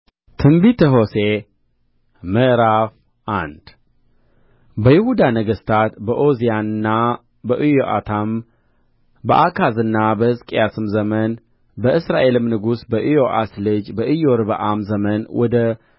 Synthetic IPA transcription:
t̪ʰɨmbit̪ʰəɦo̞se | məʔɾaf | ʔa̰nd̪ | bəjɪhud̪anəɡəst̪ʰat̪bəʔozijanɨnːa | bəʔɨjoʔa̰t̪ʰam | bəʔakʰazɨnːabəhɨzkʼjasɨmzəmən | bəʔɨsɾaʔe̞lɨmnɨɡusbəʔɨjoʔaslɨd͡ʒbəʔɨjoɾɨβəʔamzəmənwɔd̪ə

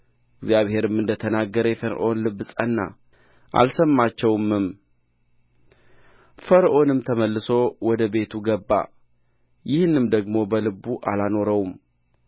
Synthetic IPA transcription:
ɪɡzjaβhe̞ɾɨmːɨnd̪ət̪ʰənaɡːəɾəjɛfəɾ̰ʔo̞nlɨbːɨsʼənːa̰ | ʔa̰lsəmːat͡ʃːɛwmːɨm | fəɾʔo̞nɨmt̪ʰəməlːɨso̞wɔd̪əbe̞t̪ʰuɡəbːa̰ | jɪhnːɨmd̪əɡmo̞bəlɨbːuʔa̰lano̞ɾəwum

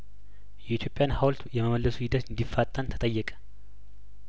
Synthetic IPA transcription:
jɛit̪ʰjo̞pʼjanhawlt̪ujɛməməlːəsuhɪd̪ət̪ɨnd̪ifːat̪ʼːənt̪ʰə̥t̪ʼəjːɛkʼə̥

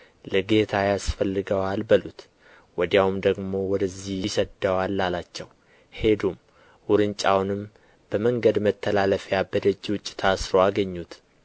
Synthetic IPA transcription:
ləɡe̞t̪ʰajasfəlːɨɡəwalbəlut̪ | wɔd̪jawumd̪əɡmo̞wɔd̪əzːihjsəd̪əwalːalat͡ʃːɛw | he̞d̪um | wʊɾɨnt͡ʃʼawnɨm | b̥əməŋɡəd̪mət̪ʰːəlaləfjabəd̪əd͡ʒːiwʊt͡ʃʼːi̥t̪ʰasɾoaɡəɲːut̪

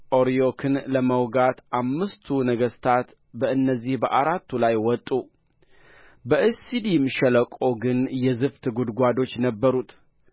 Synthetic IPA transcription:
ʔoɾijokʰɨnləməwɡat̪ʔamːɨst̪ʰunəɡəst̪ʰat̪ | bəɨnːəzːihbəʔaɾat̪ːulajwɔt̪ʼːu | bəʔɨsid̪imʃɛləkʼo̞ɡɨnjɛzɨft̪ʰɨɡud̪ɡʷad̪o̞t͡ʃːnəbːəɾut̪ʰ

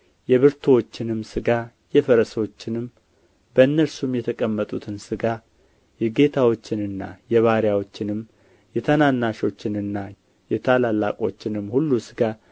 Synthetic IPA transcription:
jɛβɨɾt̪ʰowo̞t͡ʃːɪnɨmːsɨɡa | jɛfəɾəsot͡ʃːɪnɨm | bəɨnːəɾsumjɛt̪ʰəkʼəmːət̪ʼut̪ʰɨnsɨɡa | jɛɡe̞t̪ʰawo̞t͡ʃːɪnɨnːa̰jɛβaɾjawo̞t͡ʃːɪnɨm | jɛt̪ʰənanːaʃo̞t͡ʃːɪnɨnːa | jɛt̪ʰalalːa̰kʼo̞̰t͡ʃːɪnɨmhulːusɨɡa

